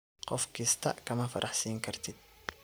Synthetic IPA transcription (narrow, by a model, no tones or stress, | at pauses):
qɔfkʰiːst̪ʰɐ̰kʰɐmɐfɐ̰ɾʔɑħsiːŋkʰɐrt̪ʰɪd̪̥̚